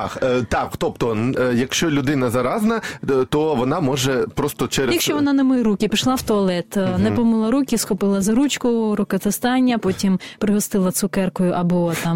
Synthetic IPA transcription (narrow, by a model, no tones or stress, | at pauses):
ɑxt̪ɑkt̪ɔpt̪ɔjɐkʃt͡ʃɔlʲʊd̪ɪnɐzɐɾɑznɐt̪ɔʋɔnɑmɔʒɛpɾɔst̪ɔt͡ʃɛɾjɐkʃt͡ʃɔʋɔnɑnɐmɪjɾukʲɪpʲiʃlˠɑwt̪ɔɐlˠɛt̪nɛpɔmɪlˠɐɾukʲisxʊpɪlˠɐzɐɾut͡ʃkʊɾʊkɐt̪est̪ɑnʲːɐpɔtʲimpɾɪɦɔst̪ɪlˠɐt̪sʊkɛrkɔjʊʔɐbɔt̪ɑm